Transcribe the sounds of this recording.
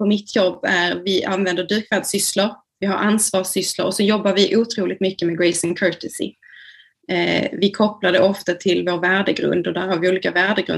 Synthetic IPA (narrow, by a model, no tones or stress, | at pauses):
pʰɔmɪt̪ʰːjɔbːæɾvɪʔanvɛnd̪əɖyːɾkʰvad̪sʏslaɾ | vɪhaɾʔansvɑːʂʏsla̰ɾɔsɔjɔbːaɾvɪʔuːt̪ʰɾuːlɪɡ̚t̪mʏkːəmɛɡɹɛɪsɪŋkʰœɹt̪ɛsɪ̰ | vɪkʰɔpːlad̪ɛʔɔft̪at̪ʰɪlvoːɾvæːɖəɡɾɵ̰nd̪ɔd̪æɾhaɾvɪuːliːkavæːɖəɡɾɵ̰